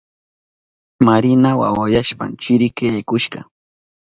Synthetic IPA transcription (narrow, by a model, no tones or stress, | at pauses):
maɾɪnawa̰wajaʃpa̰mt͡ʃɪɾɪkejkʊʃɢɑ̰